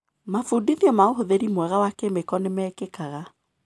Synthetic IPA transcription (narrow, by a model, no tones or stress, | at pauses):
mafudiðiɔmaoɦoðeɾimwɛɣawakemekɔnemɛkekaɣa